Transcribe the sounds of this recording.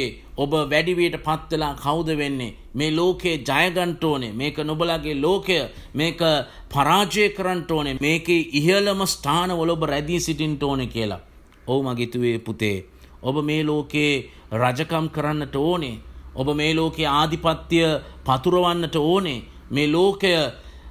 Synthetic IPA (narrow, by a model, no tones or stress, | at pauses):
obəʋæɖiʋiəʈəpat̪ːʋelaːkʰawd̪əʋenːe | meːloːkejəd͡ʒajəɡanʈoːnemeːkənubəlaɡeloːkejəmeːkə | pʰaɾaːd͡ʒəjəkəɾanʈoːnemeːkeʔiɦələməsʈʰaːnəʋələobəɾɛd̪isiʈinʈoːnekiəla̰ | oumaɡet̪uʋeːput̪ḛː | obəmeːloːke | ɾad͡ʒəkamkəɾanːəʈəoːneo̰bəmeːloːkejəaːd̪ʱipat̪ːijəpat̪uɾəʋanːəʈəoːne | meːloːkejə